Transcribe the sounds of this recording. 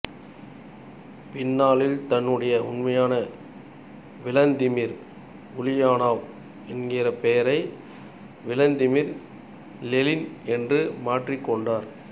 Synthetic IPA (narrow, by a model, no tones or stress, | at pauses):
pɪnːaːlɪlt̪ɐnːɯɽɐjɐʊnmɐjaːnɐ | ʋɪlɐnd̪ɪmɪɾ | ʊlɪjaːnaːʋ | ɪnɡɪɾɐpɛjɐɾɐɪ | ʋɪlɐnd̪ɪmɪɾ | lɛlɪnɛndrɯmaːʈrɪkːɔɳɖaːɾ